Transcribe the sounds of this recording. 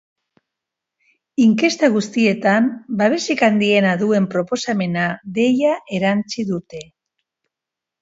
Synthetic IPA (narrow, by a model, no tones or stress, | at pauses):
iŋke̞st̪aɣ̞ust̪ie̞t̪ambaβ̞e̞sikand̪ie̞naðue̞mpɾo̞po̞same̞naðe̞jaʔe̞ɾant͡siðut̪e̞